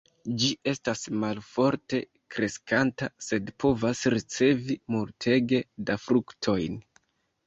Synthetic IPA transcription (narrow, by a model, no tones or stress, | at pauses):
d͡ʒiʔe̞stasmalfo̞ɾte̞ | kɾe̞skantase̞dpʰo̞vasɾit͡se̞vimultʰe̞ɡe̞dafɾuktʰo̞jn